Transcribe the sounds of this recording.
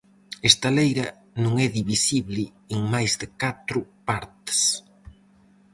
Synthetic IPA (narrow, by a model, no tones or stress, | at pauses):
ɪst̪alejɾɐ | nũŋɛðiβisiβlɪ | eŋmajzðɪkat̪ɾʊpaɾt̪ɪ̥s